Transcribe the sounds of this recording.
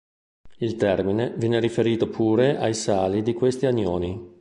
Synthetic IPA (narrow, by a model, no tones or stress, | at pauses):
ilt̪ɛrminevjɛːneɾifeɾiːt̪opʰuːɾeʔajsaːlid̪ikwest̪iaɲːoːni